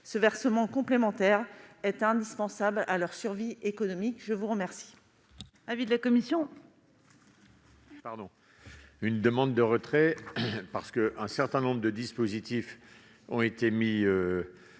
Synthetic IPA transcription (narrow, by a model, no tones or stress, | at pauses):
səvɛʁsəmɑ̃kɔ̃plemɑ̃t̪ɛʁɛt̪ɛ̃d̪ispɑ̃sablalœʁsyʁviekɔnɔmikʒəvuʁəmɛʁsi̥ | avid̪əlakɔmisjɔ̃ | paʁd̪ɔ̃ | ynd̪əmɑ̃d̪̚ːəʁət̪χɛpaʁsə̥kəʔɛ̃sɛʁt̪ɛ̃nɔ̃bʁəd̪əd̪ispozit̪if | ɔ̃et̪emiø